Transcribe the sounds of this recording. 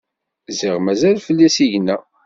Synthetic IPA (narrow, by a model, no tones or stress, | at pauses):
ziʁmæzælfəlːisiʝnːæ